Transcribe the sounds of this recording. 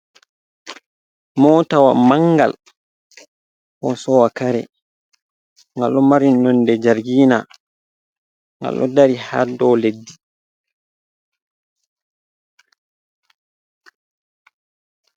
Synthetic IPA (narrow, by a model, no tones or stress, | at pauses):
mɔːtawa̰maŋɡa̰l | hɔsɔwakaɾɛ̰ | ŋɡalːɔmaɾinːɔndɛd͡ʒaɾɡiːna | ŋɡa̰lʔɔ̰daɾiha̰dɔledːi